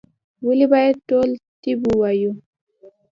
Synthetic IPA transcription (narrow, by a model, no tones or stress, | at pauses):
wulibajetolt̪ibuwaju